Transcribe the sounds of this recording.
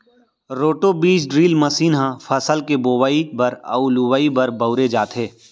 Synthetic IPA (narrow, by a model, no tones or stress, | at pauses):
ɾoːʈobiːt͡ʃɖɾiːlmɐsiːnɦãfʰɐsəlkeboːwaːibɐɾɐ̰ʊluwaːibɐɾbɐʊɾed͡ʒaːt̪ɦeː